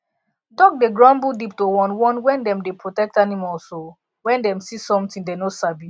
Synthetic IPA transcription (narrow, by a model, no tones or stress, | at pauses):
dɔk̚deɡɹãmbudip̚towɔ̃nwɔ̃nwɛ̃ndɛ̃mdepʰɹotɛk̚tanimɔlso | wɛ̃ndɛ̃msisɔ̃mtĩndenosabi